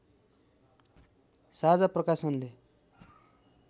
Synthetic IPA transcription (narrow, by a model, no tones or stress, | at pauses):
sad͡zaprʌkasʌnle